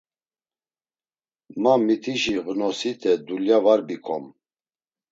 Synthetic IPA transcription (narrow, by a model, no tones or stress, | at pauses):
mamit̪ʰiʃiɣənɔsit̪ʰɛd̪uljavaɾbikʰɔm